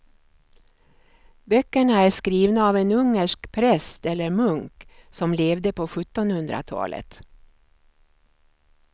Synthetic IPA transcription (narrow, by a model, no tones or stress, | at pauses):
bœkːəɳaæʂkɾiːvnaːvenɵŋːəʂkpʰɾɛst̪ɛlːəɾmɵŋksɔmleːvd̪əpɔɧɵt̪ːɔnhɵnd̪ɾa̰t̪ʰɑ̰ːlʔə̰t̪